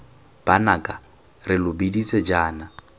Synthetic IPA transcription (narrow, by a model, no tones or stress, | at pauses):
b̥anakʼa | rɪlʊbidit͡sʼɛd͡ʒaːna